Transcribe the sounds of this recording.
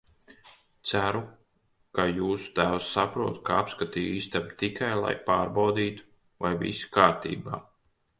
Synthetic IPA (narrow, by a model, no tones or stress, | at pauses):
t̪sæɾu | kajuːsu̥t̪æwsːapɾuɔt̪kaapskat̪iːjiːst̪amt̪ikajlˠa̰jpaːɾbawd̪iːt̪u̥ | vajvḭsi̥kaːɾt̪ḭːba̰ː